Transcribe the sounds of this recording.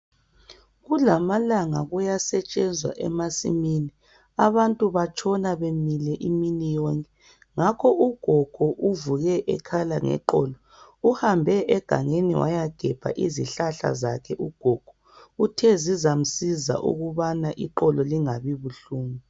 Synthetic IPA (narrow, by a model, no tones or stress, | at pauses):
ɣulamalaŋaɣujasɛt͡ʃʼɛnd͡zʱwa̰ʔɛ̰masḭmini | aβantʼuβat͡ʃʰʼɔnaβemilɛʔiminijɔŋkʼɛ | ŋakʰɔʔuɡ̥ʱɔɡ̥ʱɔʔuvuɣɛʔɛkʰalaŋɛ̰ǃɔlɔ | uhambʱɛʔɛɡ̥ʱa̰ŋenḭwa̰jaɡ̥ʱɛb̥ʱa̰ʔiziɬaɬa̰za̰kʰɛʔuɡ̥ʱɔɡ̥ʱɔ | utʰɛzizam̩siza̰ʔṵɣuβanaʔiǃɔlɔliŋaβiβuɬuːŋu